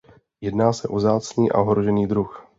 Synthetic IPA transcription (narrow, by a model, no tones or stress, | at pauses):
jɛdnaːsɛʔozaːt͡sniːʔa̰ʔoɦɾoʒɛniːd̪ɾux